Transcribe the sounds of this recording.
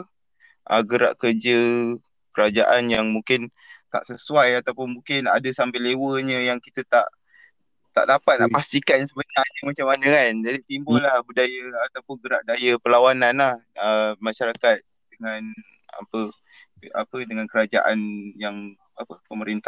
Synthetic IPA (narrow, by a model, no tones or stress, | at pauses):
ʔəɡəɾa̰ʔkərd͡ʒə | kəɾad͡ʒaʔanjaŋmuŋkɪn | t̪a̰ʔsəsuajat̪awpʊnmuŋkɪna̰dəsambɪlewəɲə̃jaŋkit̪ət̪a̰ʔ | t̪a̰ʔdapat̪̚naʔpast̪ikansəbənarɲəmat͡ʃamanəkand͡ʒadit̪imbʊlahbudajəat̪awpʊnɡəɾaʔ̚dajəpəlawananlahəmaʃaɾakat̪̚ | dəŋan | a̰pə | a̰pədəŋankəɾad͡ʒa̰ʔa̰njaŋ | apəpəməɾint̪a